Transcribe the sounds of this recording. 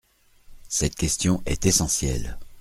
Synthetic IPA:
sɛt̪̚kʲɛst̪jɔ̃ʔɛt̪esɑ̃sjɛ̰l

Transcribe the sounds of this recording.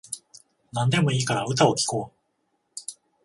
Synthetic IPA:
nãnd̪e̞mo̞iːkaɾaɯ̟t̪̬ao̞kʲi̥ko̞ː

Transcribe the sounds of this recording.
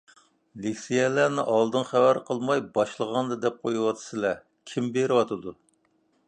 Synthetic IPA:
likʲsijɛlænɪʔɑlˠd̪ɨnχæwæɾqʰəlˠmɑjbɑʃlˠəʁɑnd̪ɨd̪ɛp̚qʰojuwɑt̪ʰɨ̥sɨlɛ | kʲʰimbeɾɪwɑt̪ɨd̪u

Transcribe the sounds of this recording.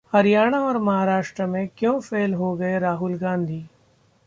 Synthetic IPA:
hɐɾɪjaːɽ̃aɔːɾmɐɦaːɾaːʃʈɾəmẽkjõːfʰeːlɦoɡɐeɾaːɦʊlɡãːnd̪ʱiː

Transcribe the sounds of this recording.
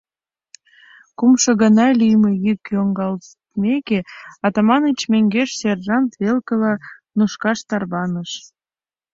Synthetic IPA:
kumʃɤ̆ɣə̆nɑlʲyjməjykjoŋɡɑl | mekeɑt̪ɑmɑnət͡ɕmeŋɡeʃserʒɑnt̪βelkəlɑnuʃkɑʃt̪ɑrβɑnəʃ

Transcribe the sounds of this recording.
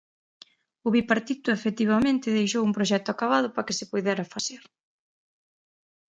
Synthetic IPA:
ʊβipaɾt̪it̪ʊefet̪iβamẽnt̪ɪðejʃowumpɾoʃ̬ɛt̪ʊakaβað̞ʊpakɪsɪpuðɛɾafasɛɾ

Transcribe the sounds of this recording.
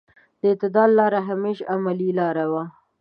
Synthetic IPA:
d̪̥əɪt̪ɪd̪ɑlɑɾaɦameʃamalilɑɾawa

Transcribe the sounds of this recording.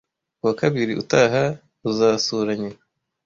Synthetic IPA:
kuwakaβiɾiʔṵtaɦa | uzaːsuɾaɲe

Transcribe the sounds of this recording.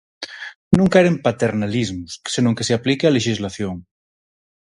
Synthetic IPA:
nũŋkaeɾempat̪eɾnalizmussenũŋkeseaplikealeʃizlaθjoŋ

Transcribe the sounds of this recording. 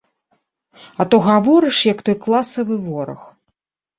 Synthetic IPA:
ɐt̪ɔɣavɔɾɨʂjɐkt̪ɔjklˠasɐvɨvɔɾɐ̰x

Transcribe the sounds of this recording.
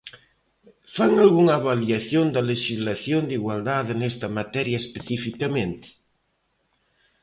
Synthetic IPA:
faŋalɣuŋaβaljaθjond̪ɐleʃizlaθjond̪iɣwald̪aðenest̪ɐmat̪ɛɾjaespeθifikamẽnt̪ɪ̥

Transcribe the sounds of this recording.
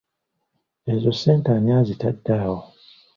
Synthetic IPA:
ezoseːntaɲaːzitadːaːwo

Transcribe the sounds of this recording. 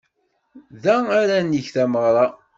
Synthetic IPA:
ðæaɾæniçθæməʁɾˤɑ

